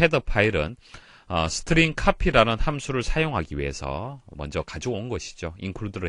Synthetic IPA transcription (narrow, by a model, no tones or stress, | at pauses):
edɯpʰaiɾɯ̰n | ʌ̰sʰɯ̥tʰɯɾinkʰapʰiɾanɯnhamsʰuɾɯɭsʰajoŋɦaɡiɥie̞̰sʰʌ̰mʌnd͡ʑʌkad͡ʑoonɡʌɕʰi̥d͡ʑoinkʰuɭdɯɾɯ